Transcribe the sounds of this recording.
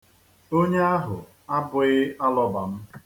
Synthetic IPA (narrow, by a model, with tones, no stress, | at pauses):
o˦ɲe˦a˦ɦʊ̰˨ | a˦bʊ˨ɪ˦a˦lɔ˦ba˨m̩˦